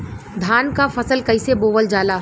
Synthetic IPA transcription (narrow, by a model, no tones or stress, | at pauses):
d̪ʱaːnkafɐsəlkɐɪseboːʋəld͡ʒaːlaː